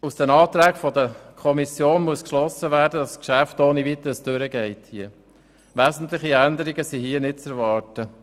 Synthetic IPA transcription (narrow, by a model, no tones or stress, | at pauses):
usd̥ɛnɑːt̪ɾæːkfɔd̪əkʰɔmisjoːnmuəskʃlɔsːəʋæːɾdədɑskʃæftoːniʋit̪əɾəsd̥ɵɾəɡɛɪthiə | ʋæzn̩t̪lɪχiænd̪əɾiɡəsiɦiənɪt̚t͡sɛɾʋɑːɾtə